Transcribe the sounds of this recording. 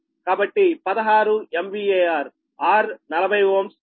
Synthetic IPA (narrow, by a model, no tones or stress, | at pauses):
kaːbɐʈːipɐd̪ɐɦaːɾuemʋiːeːaːɾ | aːɾnɐlɐbʱɐjoːms